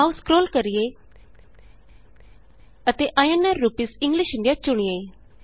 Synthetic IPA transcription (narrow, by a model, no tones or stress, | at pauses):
auskɾoːlkəɾɪeː | ət̪eːʔaːjenɛːɾːuːpiːsɪ̃ŋɡlɪʃɪ̃ɳɖijaːt͡ʃʊɳ̃ieː